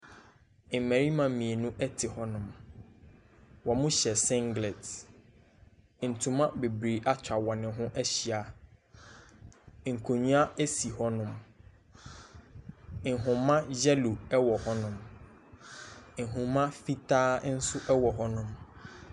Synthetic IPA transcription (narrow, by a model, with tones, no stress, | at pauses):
ɪ˨m˨mæ˨ɾi˦mã˨mĩ˨e˨nũ˦ʔɛ˦tʰɪ˨hɔ˦nʊ̃˨m | wɔ˨mʊ̃˦ɕɛ˨sɪ̃˦ŋɡlɛ˨t | n̩˨tʰũ˨mã˦be˨bɾe˨ʔa˦t͡ɕʰᶣa˨wɔ˨nɪ̃˨ɦʊ̃˦ʔɛ˦ɕi˨a˨ | ŋ̩˨kʰo˨ɲũ˦a˦e˦si˨hɔ˦nʊ̃˨m | ŋ̩˨ɦʊ̃˨mã˦d͡ʑɛ˦lu˨ɛ˦wɔ˨hɔ˦nʊ̃˨m | ŋ̩˨ɦʊ̃˨mã˦fi˦tʰaː˦n̩˦sʊ˦ʔɛ˦wɔ˨ɦɔ˦nʊ̃˦m